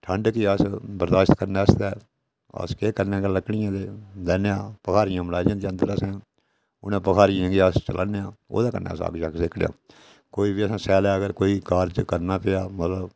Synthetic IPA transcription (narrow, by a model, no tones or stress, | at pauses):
ʈʰəɳɖkɪəsbəɾd̪aːʃt̪kəɾnɛːəsd̪ɛː | ə̰skeːkəɾnãːɡələkːɳɪjãːd̪eːd̪ɛːneãːpəkʰaːɾɪjãːməɽaːd͡ʒãːd̪eənd̪əɾəsãː | ʊnãːpəkʰaːɾɪjãːɡeast͡ʃəlʔaːneãːo̰ːd̪aːkə̰nḛːsa̰ːɡt͡ʃaksɪkʰɽjã̰ː | koːiːbiːəsãːsɛːlɛːəɡəɾkoːiːkaːɾd͡ʒkəɾnaːpɪaːmət̪ləb